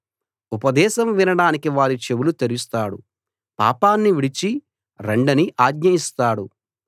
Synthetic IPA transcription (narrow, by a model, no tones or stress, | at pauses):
upɐd̪ɛːʃɐmʋinɐɽaːnikiʋaːɾit͡ʃe̞ʋulut̪eɾust̪aːɽṵ | pa̰ːpaːnːiʋiɽit͡ʃi | ɾeɳɖɐniʔaːɡɲɐist̪aːɽu